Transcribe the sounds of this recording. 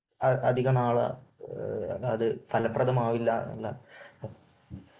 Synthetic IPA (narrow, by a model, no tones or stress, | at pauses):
ɐʔɐd̪ʱiɣɐnaːɭɐ̰ | ɐðɨfɐlɐpːrɐðɐmaːʋilːɐɐ̰lːɐ